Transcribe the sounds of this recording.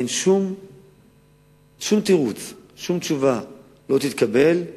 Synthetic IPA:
enʃum | ʃumt̪iʁut͡sʃumt͡ʃuva | lo̞t̪it̪kabe̞l

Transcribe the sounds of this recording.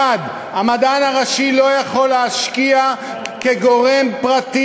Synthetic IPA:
ad̪ | amad̪anhaʁaʃilo̞jaχo̞lːeaʃkia | keɡo̞ʁe̞mpʁat̪i

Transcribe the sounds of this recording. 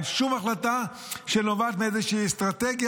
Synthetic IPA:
ʃumaχlat̪a | ʃenovat̪meezeʃiːst̪ʁat̪eɡja

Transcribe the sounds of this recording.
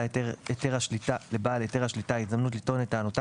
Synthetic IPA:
eteeteʁaʃlitalebaːleteʁhaʃlitaitd̪amnut̬litonetaːnot̪a

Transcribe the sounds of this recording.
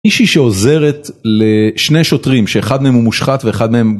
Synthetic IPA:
iʃiʃeoze̞ʁetleʃne̞jʃo̞t̪ʁimʃe̞ːχad̪meemumuʃχat̪ve̞eχad̪meem

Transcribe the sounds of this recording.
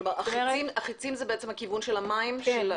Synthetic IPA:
maaimaχit͡simzebeet͡semhakivunʃelamaimʃel

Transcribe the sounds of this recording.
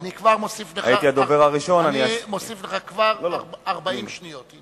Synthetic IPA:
anikvaʁmosifleʔajit̪iad̪oveʁaʁiʃo̞naniamosifleχakvaʁlolaʁbaimʃnijot̪

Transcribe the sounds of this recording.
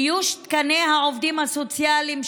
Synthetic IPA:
juʃt̪kanehaovd̪imhasot͡sjalim

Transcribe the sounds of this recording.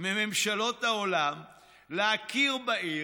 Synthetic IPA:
meme̞mʃalo̞t̪aolam | leakʰiʁbaʔi

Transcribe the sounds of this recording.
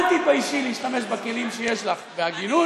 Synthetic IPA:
t̪ipaiʃiliiʃt̪ame̞ʃbake̞limʃejeʃlaχveaɡinu

